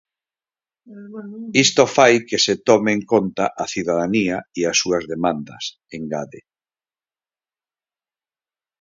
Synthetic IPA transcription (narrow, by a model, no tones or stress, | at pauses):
ist̪ofajkeset̪ɔmeŋkont̪aʔaθiðaðaniaiasuɐzðemãnd̪ɐ̰s | eŋɡaðe